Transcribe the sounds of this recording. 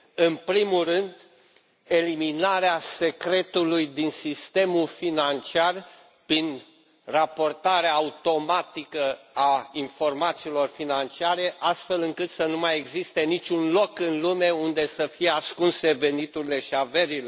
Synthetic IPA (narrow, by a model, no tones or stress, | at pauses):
ɨnpɾimulrɨnd̪ | e̞liminaɾease̞kɾe̞t̪ulujd̪insist̪e̞mulfinant͡ʃiar | pɾin | rapo̞rt̪aɾeaːut̪o̞mat̪ikəainfo̞rmat̪siːlo̞rfinant͡ʃiaɾe̞ʔast̪fe̞lɨŋkɨt̪sənumaje̞ɡzist̪e̞nit͡ʃʲunlo̞kɨnlume̞und̪e̞səfijeaskunse̞ve̞nit̪uɾile̞ʃiave̞ɾile